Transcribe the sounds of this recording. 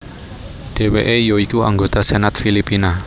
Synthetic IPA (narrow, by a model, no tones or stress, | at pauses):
ɖ̥e̤weʔejoikua̰ŋɡot̪asenat̪filipina